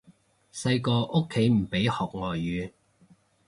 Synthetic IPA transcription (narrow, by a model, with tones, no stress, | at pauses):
sɐ˧jkɔː˧ʔʊ˥kʰːe˨˥jm̩˨˩pe˨˥jhɔː˨k̚ŋɔː˨jːyː˨˧